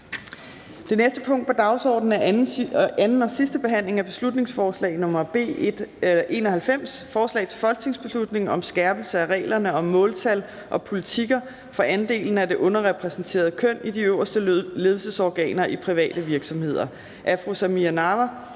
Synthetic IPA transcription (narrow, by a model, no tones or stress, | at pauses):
d̥e̝nesd̥əpʰɔ̽ŋ̰d̥pʰɒ̽d̥ɑ̈ʊsɒ̰ːd̥n̩æ | ænn̩ɒ̽sisd̥əb̥e̝ɦæn̰le̝ŋæb̥e̝slud̥ne̝ŋsfɒːslɛ̰ːɪnɔ̽mɐb̥e̝̰̥ː | ʔe̝ːnɒhælfem̰sfɒːslɛ̰ːt͡sʰe̝fɒ̽lɡ̥̚t͡sʰe̝ŋsb̥e̝slud̥ne̝ŋɒ̽msɡ̥æɐb̥l̩səæʁɛ̰ːlɐnəɒ̽mːɔ̽ːlt͡sʰæl | ʔɒ̽pʰo̝lit͡sʰiɡ̥ɐ | fɒ̽ʔænd̥e̝̰ːln̩æde̝ʔɔ̽nɐʁɛpʰʁɛsn̩t͡sʰe̝̰ːɐð̞̩ˠkʰøn̰id̥iøʊɐsd̥əle̝ð̞ˠlsəsɒɡ̥ɛ̰ːnɐʔipʰʁiʋɛ̰ːd̥əʋiɐɡ̥sɒ̽mhe̝ð̞̰ˠɐ | ʔæfʁosæmiænɑʋæ